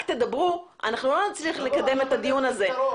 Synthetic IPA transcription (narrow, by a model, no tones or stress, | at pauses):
t̪ed̪abʁu | a̰naχnulo̞nat͡sliχlekad̪e̞me̞t̪ad̪ijunaze̞